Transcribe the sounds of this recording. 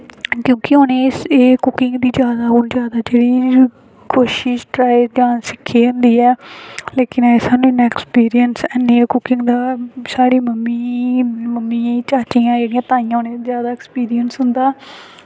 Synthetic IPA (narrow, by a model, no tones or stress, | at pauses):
kjõːkɪoːneːseːkʊkɪŋɡd̪iːd͡ʒjaːd̪aːɦʊnd͡ʒjaːd̪aːd͡ʒeːɽiː | koːʃɪʃʈɾaːiːd͡ʒaːnsɪkʰːeːɦʊnd̪iːɛːleːkɪnɛːsaːnũːɪnãːɛkspiːɾɪijənsɛneːkʊkɪ̃ŋɡd̪aːsaːɽiːməmːiːməmːiːt͡ʃaːt͡ʃiːãːd͡ʒeːɽijãːt̪aːĩjãːɦoːneːd̪izjaːd̪aːɛkspiːɾɪjənsɦʊnd̪aː